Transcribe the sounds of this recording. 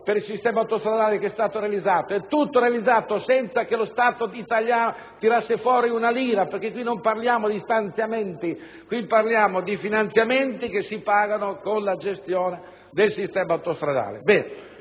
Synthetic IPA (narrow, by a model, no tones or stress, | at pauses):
peɾilsist̪ɛːmawt̪ost̪ɾad̪aːlekɛst̪aːt̪oɾealid̪zːaːt̪oɛt̪ːut̪ːoɾealid̪zːaːt̪osɛnt̪sakelost̪aːt̪oit̪aʎjaːno | t̪iɾasːefwɔːɾiunaliːɾaperk̟ekːwinomparljaːmod̪ist̪ant̪sjament̪i | kwipːarljaːmod̪ifinant̪sjament̪ikesːipaːɡanokonlad͡ʒest̪jɔːne | d̪elsist̪ɛːmaawt̪ost̪ɾad̪a̰ːlḛbɛːne